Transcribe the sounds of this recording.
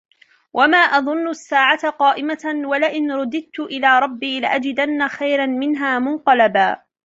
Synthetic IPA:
wʔamaːʔɑðˤʊnːʊʔasːaːʕat̪aqɑːʔɪmawalɪʔɪnɾˤʊd̪ɪd̪̚t̪ʊʔɪlaːɾˤɑbːiːlɪʔad͡ʒɪd̪anːaxajɾanmɪnɦaːmʊnqɑlabaː

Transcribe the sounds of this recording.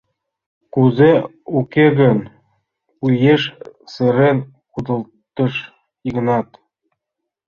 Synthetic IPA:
kuze | ukeɣə̆n | ujeʃsĕɾen | kud̪ə̆l | t̪ɤ̆ʃ | iɣnɑt̪

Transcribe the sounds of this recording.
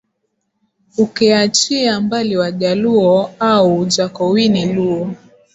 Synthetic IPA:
ukɛat͡ʃiambaliwaʄaluɔaud͡ʒakɔwiniluɔ

